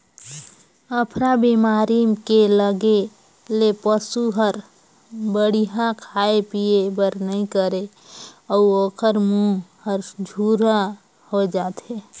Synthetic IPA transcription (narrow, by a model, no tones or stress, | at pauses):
əpʰɾabimaːɾimkeləɡe | lepəsuɦəɾ | bəɽ̤iɦãkʰaepiebəɾnəĩkəɾe | əuoːkʰəɾmuhəɾd͡ʒʱuɾa | hod͡ʒaːt̪e